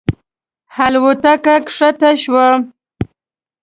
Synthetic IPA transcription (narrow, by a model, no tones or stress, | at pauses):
halwʊt̪akakʂat̪aʃwa